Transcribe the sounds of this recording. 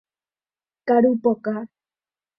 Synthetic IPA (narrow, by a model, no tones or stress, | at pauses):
kaɾupoka